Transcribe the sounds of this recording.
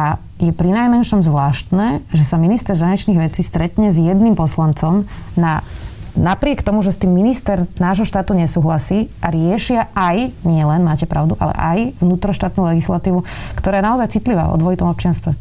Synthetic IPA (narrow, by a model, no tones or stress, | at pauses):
a | jɛpɾinajmɛnʃɔmzʋlaːʃt̪nɛːʒɛsaminist̪ɛɾzaɲɛt͡ʃniːɣʋɛt͡siːst̪ɾɛt̪ɲɛzjɛd̪nimpɔslant͡sɔmnanapɾɪɛkt̪ɔmuʒɛst̪iːmːinist̪ɛɾnaːʒɦɔʃt̪aːt̪uɲɛsuːɦlasiːʔaɾɪɛʃɪaajɲɪɛlɛnmaːcɛpɾaʊd̪uʔa̰lɛ̰ʔa̰jʋnuːt̪ɾɔʃt̪aːt̪nuːlɛɡislat̪iːʋukt̪ɔɾaːjɛnaɔzajt͡sit̪liʋa̰ːɔ̰d̪ʋɔit̪ɔmɔp̚t͡ʃɪanst̪ʋɛ